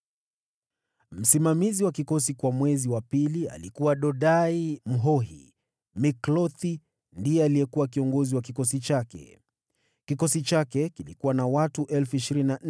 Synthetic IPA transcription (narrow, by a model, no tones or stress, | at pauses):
m̩simamiziwakikɔsikwamwɛziwapilia̰likuwaɗɔɗaim̩ɦɔɦḭ | miklɔθi | ndijɛalijɛkuwakiɔŋɡɔziwakikɔsit͡ʃakɛ̰ | kikɔsit͡ʃakɛkilikuwanawatuʔɛlfuiʃiɾinna